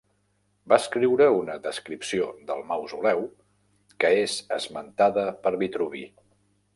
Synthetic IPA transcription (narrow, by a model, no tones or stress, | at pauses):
baəskɾiwɾəunəðəskɾipsioðəlˠmawzulɛw | kəezəzmənt̪aðəpəɾβit̪ɾuβi